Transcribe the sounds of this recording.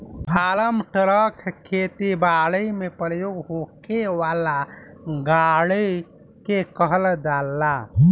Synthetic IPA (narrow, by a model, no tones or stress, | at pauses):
bʱaːləmʈəɾəkʰkʰːet̪ibaːɭəmepəɾjoɡɦokewaːlaɡaɭi | kekəɦəld̪alːa